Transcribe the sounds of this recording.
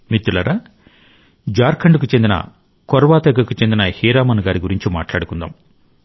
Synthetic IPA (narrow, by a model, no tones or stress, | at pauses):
mit̪ːulɐɾaː | d͡ʒaːɾkʰɐɳɖuk̬ut͡ʃend̪inɐ̰ | kɔɾʋaːt̪ɐɡɐkut͡ʃend̪inɐhiːɾaːmɐnɡaːɾiɡuɾiɲt͡ʃima̰ːʈlaːɽukund̪a̰ːm